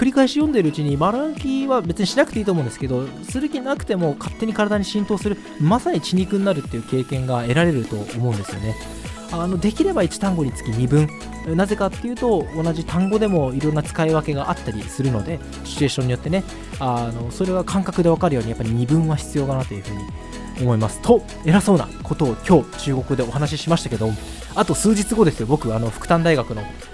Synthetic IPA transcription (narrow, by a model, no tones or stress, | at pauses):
kɯ̟ɾʲikaiɕijõ̞nd̪e̞ɾɯ̟ɯ̟t͡ɕiɲ̟imaɾakʲiβabe̞t͡sɨɲ̟iɕinakɯ̟̥t̪e̞it̪omõ̞nd̪eske̞d̪o̞ | sɨzɨkʲinakɯ̟̥t̪e̞mo̞kʰat̪ːe̞ɲ̟ikaɾad̪aɲ̟iɕĩnt̪o̞ːsɨɾɯ̟ | masaɲ̟it͡ɕiɲ̟ikɯ̟̃nːaɾɯ̟t̪ːe̞jiɯ̟ːke̞ːkẽ̞ŋɡae̞ɾaɾe̞ɾɯ̟t̪o̞̰omo̞ɯ̟̃nd̪esɨjo̞ne̞ | ano̞d̪e̞kʲiɾe̞bait͡ɕi̥t̪ãŋɡo̞ɲ̟it͡sɨ̥kʲiɲ̟ibɯ̟̃ɴ | naze̞kat̪ːe̞jɯ̟ːt̪o̞ːnaʑit̪ãŋɡo̞d̪e̞mo̞iɾõ̞nːat͡sɨ̥kaiβake̞ɡaʔat̪ːaɾʲisɨɾɯ̟no̞d̪e̞ | ɕi̥e̞ːɕoɲ̟ːijo̞t̪ːe̞ne̞ | ano̞so̞ɾe̞ɡakʰãŋkakɯ̟d̪e̞β̞akaɾɯ̟joːɲ̟ijapːaɾʲiɲ̟ibɯ̟̃ɰ̃βaçi̥t͡sɨjo̞ːɡanat̪ːo̞jiɯ̟ɸɯ̟ːɲ̟i | o̞mo̞imasɨ̥t̪o̞ | e̞ɾaso̞ːna̰ko̞t̪o̞ːkʲo̞ːt͡ɕɨːɡo̞kɯ̟d̪e̞o̞ɦanaɕ̬iɕimaɕi̥t̪ḁke̞d̪o | at̪o̞sɨːd͡ʑit͡sɨɡo̞d̪e̞sɨjo̞bo̞kɯ̟ano̞ɸɯ̟̥kɯ̟̥t̪ãnd̪aiɡakɯ̟no̞